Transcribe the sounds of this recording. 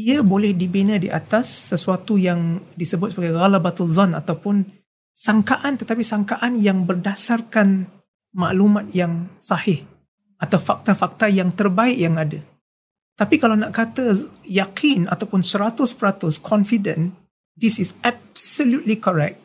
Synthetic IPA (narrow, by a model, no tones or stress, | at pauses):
diəbolɛhdibinə̃diʔa̰t̪asːəsuat̪ujaŋdisəbʊt̪səbaɡajɣalabat̪uzana̰t̪awpʊn | saŋkaʔant̪ət̪apisaŋkaʔanjaŋbərdasarkan | ma̰ʔlumãt̪̚jaŋsahɪh | ʔat̪awfak̚t̪afak̚t̪ajaŋt̪ərbaɪʔjaŋadə | t̪apikalawnaʔkat̪əjakʰina̰t̪awpʊnsəɾat̪ʊspəɾat̪ʊskʰɔnfidə̃n | disisab̚səljut̪likɔɾɛk̚t̪̚